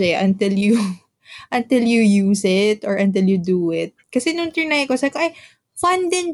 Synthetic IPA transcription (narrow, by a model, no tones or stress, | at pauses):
ɛʔɐnt̪ɪlju | ʔɐnt̪ɪljujuːsɪt̪ɔɹʔɐ̃nt̪ɪljud̪uɪt̪̚kɐsɛnʊnt̪ɛɹnajkosɐbkoʔɐj | fɐnd̪ɪn